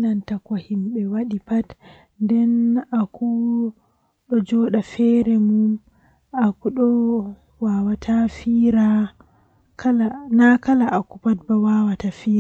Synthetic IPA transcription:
nantakɔhimɓɛwaɗipat | ndɛnakʰu | ɗɔd͡ʒɔɗafɛɾɛmum | akuɗɔ | wawatʰafiɾa | kalanakalaʔakupat̚bawawatafiːa

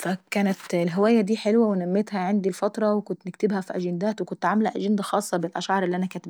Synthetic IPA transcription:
fakæːnat̪lɦɪwæːjad̪iːħɪlwawɪnamːɪt̪haʕɪnd̪ilfɑt̪ɾˤɑwɪkʊnt̪nɪkt̪ɪbhæfiʔæʒɪnd̪aːt̪wɪkʊnt̪ʕamlaʔæʒɪnd̪axɑːsˤːɑbɪlʔæʃʕɑɾˤʔɪlːiʔanakæːt̪ɪb

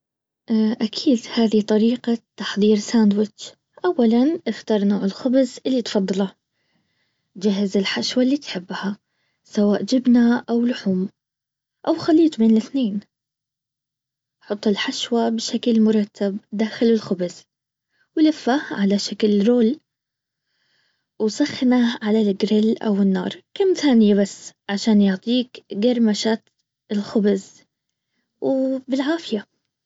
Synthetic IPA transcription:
ʔʔakʰiːd̪haːðit̪ˤɑɾiːqat̪ːɑħðˤiːɾsaːnd̪wɪt͡ʃ | ʔawːalanʔɪft̪ɑɾˤnoːʕɪlxʊbzʔɪlːit̪fɑd̪ˤːɑla | d͡ʒaɦɪzɪlħaʃwalːiːt̪ħɪbːha | sawaːʔd͡ʒɪbnaʔawlʊħuːm | ʔawxaliːd͡ʒbeːnlɪθneːn | ħʊt̪ˤːɪlħaʃwabɪʃaklmʊɾˤɑt̪ʰːabd̪aːxɪlɪlxʊbɪz̥ | wɪlɪfːaʕalaʃaklɾoːl | wsˤɑxːnaʕalalɡɾɪlʔa̰wɪnːɑ̰ːɾˤkamːθaːnɪjabasːʕaʃaːnjʊʕt̪ˤiːkɡaɾˤmaʃaːt̪ | ɪlxʊbɪz | wbɪlʕaːfɪja

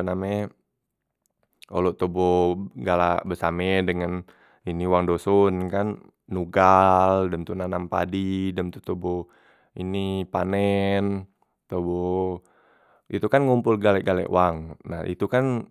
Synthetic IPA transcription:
namɛ | o̰loʔt̪oboɡalabəsamɛdəŋan | iniwaŋdosɔnkanː | uɡaldəmt̪unanampa̰didəmt̪ut̪obo | inipanɛn | t̪obɔ | it̪ukanŋumpʊlɡalɛʔɡalɛ̰ʔwaŋna̰hḭt̪ukan

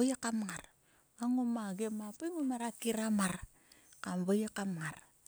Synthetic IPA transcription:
ajakamŋaɾ | aŋomaɡemapaŋomaɾakiɾamar | kamβajakamŋar

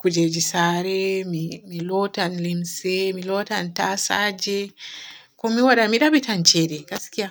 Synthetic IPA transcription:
kud͡ʒɛd͡ʒisaɾemimilɔtanlimsemilɔtantasa̰d͡ʒe | kɔmiwaɗamiɗabitant͡ʃɛɾekasi̥kia

